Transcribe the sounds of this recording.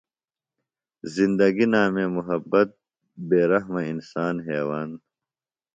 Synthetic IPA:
zind̪ɐɡinaːmemuɦɐbːɐt̪̚ | beːɾɐɦmɐinsaːnɦeːwaːn

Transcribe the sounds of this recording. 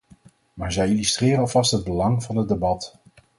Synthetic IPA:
maːɹzɛjilystrɪːrənɑlˠvɑstɦəd̚bəlɑŋvɑnəd̚debɑt

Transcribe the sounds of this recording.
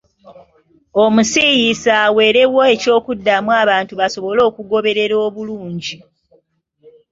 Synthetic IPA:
omusijisaːwe̞ːɾe̞woe̞co̞ːkudːamwaːβaːntuβasoβo̞lo̞ːkuɡo̞βe̞ɾe̞ɾo̞ːβuluːɲɟi

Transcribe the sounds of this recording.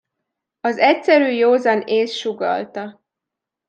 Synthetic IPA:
ɒzɛcsɛɾyːjoːzɒneːsʃuɡɒ̰lt̪ɒ

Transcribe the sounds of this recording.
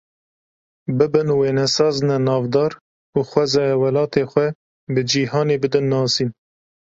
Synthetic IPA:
bɨbɨnweːnɛsɑːznɛnɑːvd̪ɑːɾ | uxʷwɛzɑːjɛwɛlɑːt̪eːxʷɛ | bɨd͡ʒiːɦɑːneːbɨd̪ɨnːɑːsiːn

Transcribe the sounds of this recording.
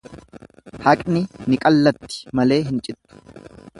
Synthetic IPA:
hɐkʼnɪnɪkʼɐlːɐt̪ːɪ̥mɐle̞ːɦɪnt͡ʃʼɪt̪ːʊ̥

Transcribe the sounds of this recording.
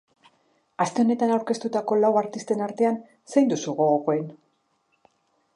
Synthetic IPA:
ast̪e̞o̞ne̞t̪anawɾke̞st̪ut̪ako̞lawaɾt̪ist̪e̞naɾt̪e̞an | sejnd̪usuɣo̞ɣoko̞e̞n

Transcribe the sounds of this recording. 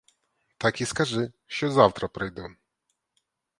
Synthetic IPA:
t̪akʲiskaʐɨ | ɕɛzaft̪ɾapɾɛjd̪ɔ

